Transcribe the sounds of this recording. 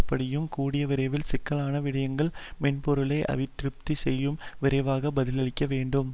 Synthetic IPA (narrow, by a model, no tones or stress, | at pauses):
pːɐɽɪjɯmkuːɽɪjɐʋɪɾɐɪʋɪlsɪkːɐlaːnɐʋɪɽɐjɐŋɡɐɭmɛnpɔɾɯlɐɪʔɐ̰ʋɪt̪ːɪɾɯp̚t̪isɛjːɯmʋɪɾɐɪʋaːɣɐbɐðɪlɐɭɪkʲːɐʋeːɳɖɯm